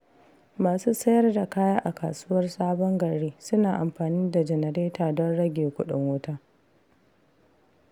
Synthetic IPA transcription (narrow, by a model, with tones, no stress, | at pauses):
maː˨suː˦sɐ˦jɐ˦rda˨kaː˦jaː˦ʔa˨ka̰ː˨suː˦wɐ˦rsaː˦bɔ˦ŋɡɐ˨ɽeː˦sʊ˦naː˨ʔa˨mɸaː˨niː˦da˨d͡ʒɛ˨nɐ˨ɾeː˦taː˨dɔ˦nɽɐ˦ɡʲeː˨kʷʊ˦ɗʊ˨ŋwʊ˦taː˦